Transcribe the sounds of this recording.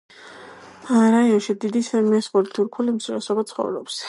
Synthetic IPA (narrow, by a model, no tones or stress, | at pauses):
aɾaiɔnʃid̪id̪isɛmɛsχʼulit̪ʰuɾkʰulimt̪sʰuɾɛsɔbat̪sʰχɔ̰vɾɔ̰ps